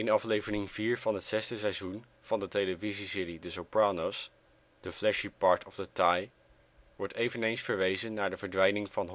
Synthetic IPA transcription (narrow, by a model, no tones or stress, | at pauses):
ɪnɑflejvənɪŋviːɹv̥ɑnɦətsɛsdəsɛjzun | v̥ɑndətejləvizisɪɹidəsopɹaːnos | d̥əflɛʃipːɑɹtʰɔvdətaj | ʋɔɹtejvənejnsfəɹʋejzənːaːɹdəvəɹdʋɛjnɪŋv̥ɑnɦ